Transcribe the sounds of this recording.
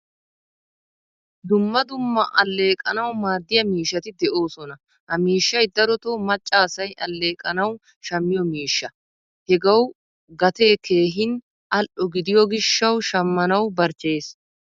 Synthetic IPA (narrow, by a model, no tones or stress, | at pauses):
d̪ʊmːɐd̪ʊmːɐʔɐlːe̞ːkʼɐnɐwmaːd̪ːɪjɐmiːʃːɐt̪ɪd̪ɛʔo̞ːsɔnɐ | hɐmiːʃːɐjd̪ɐɾɔt̪oːmɐt͡ʃʼːaːsɐjʔɐlːe̞ːkʼɐnɐw | ʃɐmːɪjɔmiːʃːɐ | hɛɡɐw | ɡɐt̪eːke̞ːɦɪn | ʔɐlʔɔɡɪd̪ɪjɔɡɪʃːɐwʃɐmːɐnɐwbɐɾt͡ʃːe̞ːs